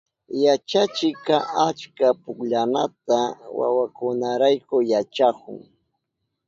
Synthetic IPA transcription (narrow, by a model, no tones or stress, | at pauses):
jat͡ʃat͡ʃɪkaʔat͡ʃkapʊkʎanat̪awa̰wakʊnaɾajkʊjat͡ʃakʊ̰ŋ